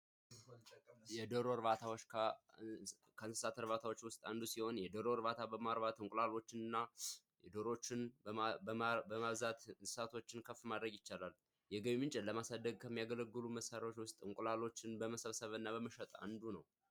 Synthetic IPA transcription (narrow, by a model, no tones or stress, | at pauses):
jɛd̪əɾoɾbat̪ʰawot͡ʃːkʰ | kʰəɨnsɨ̥sat̪ʰɨɾβat̪ʰawo̞t͡ʃːwʊst̪ʼand̪usiho̞njɛd̪oɾoɾbat̪ʰabəmaɾbat̪ɨŋkʼlalo̞t͡ʃːɪnɨnːa | jɛd̪oɾo̞t͡ʃːɪn | bəmaβzat̪nsɨ̥sat̪ʰo̞t͡ʃːɪnkʰəfmad̪ɾəɡjɪt͡ʃːalal | jɛɡəβimɨnt͡ʃʼɛləmasad̪ːəɡ̚kʰəmːijaɡələɡːɨluməsːaɾao̞t͡ʃːwʊst̪ʼɨŋkʼlalo̞t͡ʃːɪnbəməsəβsəβɨnːaβəməʃət̪ʼa̰nd̪unəw